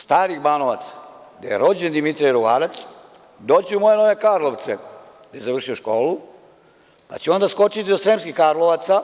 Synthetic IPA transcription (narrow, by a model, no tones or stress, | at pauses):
st̪aːɾixbanoʋa̰t̪sḁɡd̪a̰jḛɾo̞d͡ʑend̪imit̪ɾiaiɾuɡaːɾat̪s | d̪o̞ːt͡ɕeumo̞je̞no̞ʋe̞kaɾlˠo̞ʋt̪se | d̪̥ajezaʋr̩ʃioʃkoːlu | pa̰t͡ɕeo̞nd̪asko̞t͡ʃit̪id̪osɾemskixkaɾloʋat̪sa